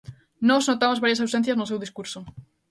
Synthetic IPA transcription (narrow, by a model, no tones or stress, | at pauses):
nɔznot̪amozβaɾjasawsẽnθjaznʊsewðiskuɾso